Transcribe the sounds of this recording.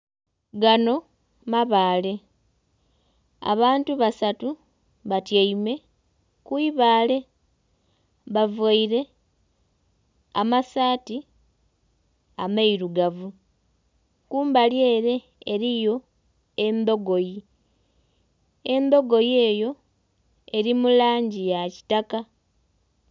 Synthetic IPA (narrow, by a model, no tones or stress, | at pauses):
ɡano̞ | maβaːle̞ | a̰βaːntuβasatu | βatjaime̞ | kwiβaːle̞ | βavaiɾe̞ | amasaːti | amaiɾuɡavu | kuːmbalje̞ːɾe̞ː | ɾijo̞ | embo̞ɡo̞ji | embo̞ɡo̞je̞ːjo̞ | e̞ɾimulaːɲɟijaci̥taka